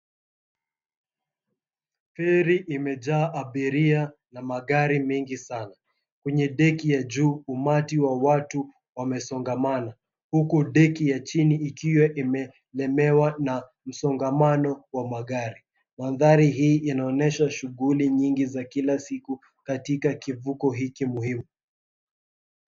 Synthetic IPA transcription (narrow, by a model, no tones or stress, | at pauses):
fɛɾiʔimɛʄaːʔaɓiɾianamaɠaɾimɛŋɡisana | kwɛɲɛɗɛkijaʄuːmatiwawatu | wamɛsɔŋɡamana | hukuɗɛkijat͡ʃiniːkiwɛʔimɛ | lɛmɛwana | m̩sɔŋɡamanɔwamaɠaɾi | manðaɾiɦiːʔanaɔnɛʃaʃuɠuliɲiŋɡizakilasiku | katikakivukɔɦikimuhimu